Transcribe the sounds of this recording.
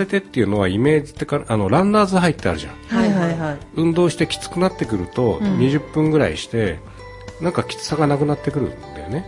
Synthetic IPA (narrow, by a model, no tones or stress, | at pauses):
se̞t̪e̞t̪ːe̞iɯ̟no̞β̞aime̞ːd͡ʑi̥t̪ːe̞kaano̞ɾãnd̪aːzɨɦait̪ːe̞a̰ɾɯ̟ʑã̰ŋhahahaɯ̟̃nd̪o̞ːɕi̥t̪e̞kʲi̥t͡sɨ̥kɯnat̪ːe̞kɯ̟ɾɯ̟t̪o̞ɲ̟iʑɨpːɯ̟̃ŋɡɯ̟ɾa̰ḭɕi̥t̪e̞ | nãŋkakʲi̥t͡sɨ̥saɡanakɯ̟nat̪ːe̞kɯ̟ɾɯ̟̰nd̪ajone